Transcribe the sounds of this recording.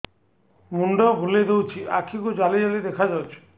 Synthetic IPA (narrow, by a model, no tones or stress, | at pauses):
muɳɖɔbʱuled̪ewt͡ʃʰiʔakʰikud͡ʒalid͡ʒalid̪ekʰad͡ʒawt͡ʃʰi̥